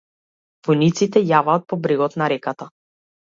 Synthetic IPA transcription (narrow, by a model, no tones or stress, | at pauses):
vɔjnit̪sit̪ɛjavaːt̪̚pɔbɾɛɡɔt̪naɾɛkat̪a